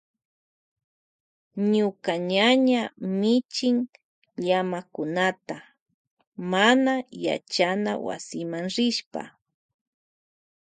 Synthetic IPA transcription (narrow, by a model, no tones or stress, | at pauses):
ɲʊkaɲaɲamɪt͡ʃɪŋ | ʎamakʊnat̪a | manaja̰t͡ʃana̰wa̰sɪmaŋɾɪʃpa̰